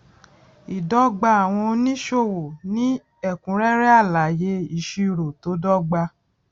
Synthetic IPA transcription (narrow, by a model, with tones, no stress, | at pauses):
i˨dɔ˦ɡ͡ba˧a˨w̃ɔ̃˧o˧nĩ˦ʃo˦˨wo˨nĩ˦ | ɛ˦˨kũ˨˦ɾɛ˦ɾɛ˦a˦˨la˨je˧˦i˨ʃi˧i˦˨ɾo˨to˨˦dɔ˦ɡ͡ba˧